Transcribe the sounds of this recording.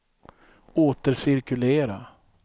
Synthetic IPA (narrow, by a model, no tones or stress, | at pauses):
oːt̪əɾsɪɾkɵleːɾa̰